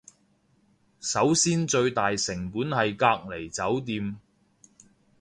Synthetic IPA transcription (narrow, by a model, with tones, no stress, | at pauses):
sɐ˨˥wsiː˥nt͡ʃɵ˧ɥt̪aː˨jsɪ˨˩ŋpuː˨˥nhɐ˨jkaː˧k̚le˨˩jt͡sɐ˨˥wt̪̬iː˧m